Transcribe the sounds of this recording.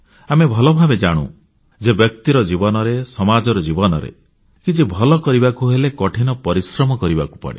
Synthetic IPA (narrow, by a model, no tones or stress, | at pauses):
amebʱɔlɔbʱabed͡ʒaɽ̃ṵ̃ | d͡ʒebjɔk̚t̪iɾɔd͡ʒibɔnɔɾesɔmad͡ʒɔɾɔd͡ʒibɔnɔɾḛ | kit͡ʃʰibʱɔlɔkɔɾibakuɦelekɔʈʰinɔpɔɾisɾɔmɔkɔɾibaku̥pɔ̰ɽḛ